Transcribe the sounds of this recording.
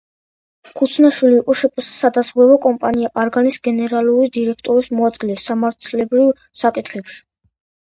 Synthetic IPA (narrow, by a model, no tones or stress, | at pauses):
kʰut̪sʰnaʃwiliːqʼɔʃɛpʼusḁsad̪azʁwɛvɔkʼɔmpʼaniaʔaɾɡanisɡɛnɛɾaluɾid̪iɾɛkʰt̪ʼɔɾismɔad̪ɡilɛsamaɾt̪ʰlɛbɾiv | sakʼit̪ʰχɛpʃi̥